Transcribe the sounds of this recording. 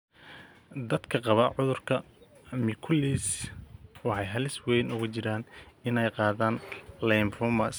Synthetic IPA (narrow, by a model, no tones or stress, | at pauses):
d̪ɐd̪kʰɐqɑβɐʕʊðʊrkʰɐmɪkʰʊliːs | wɑħɑjɦɐlɪswɛjnʊɣʊt͡ʃɪɾaːnɪnɛjqɑːðaːnlɛjmfɔmɐs